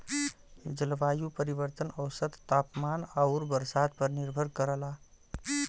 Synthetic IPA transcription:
d͡ʒəlʋaːjupəɾiʋəɾt̪ənəwsət̪ːaːpmanaʊɾbəɾsad̪̚pəɾniɾbʱəɾkəɾəla

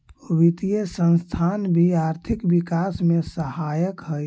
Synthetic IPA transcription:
oʋit̪ijəsə̃nst̪ʰanbʱiaɾt̪ʰikbikasmesəhajəkɦəj

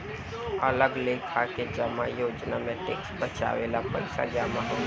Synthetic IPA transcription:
ələɡlekʰaked͡ʒəmajoːd͡ʒnamẽʈḛːksbət͡ʃa̰ːʋeːlapə̰ɪsa̰d͡ʒaːmaɦõ

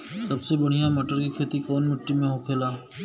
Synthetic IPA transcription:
sɐbsebɐɽ̤ijaməʈəɾkikʰeːt̪ikɔːnmɪʈːimẽɦoːkʰeːlaː

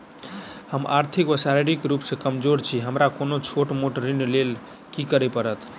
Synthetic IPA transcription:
həma̰ɾt̪ʰikʋəsaɾeɽikɾupsẽkəmd͡ʒoɾt͡ʃʰiɦəmɾakonot͡ʃʰoʈmoʈɾinlel | kikəɾepəɾət̪

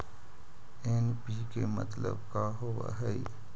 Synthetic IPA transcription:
enpikemə̰t̪lə̰bkaːɦoʋa̰ɦɛi

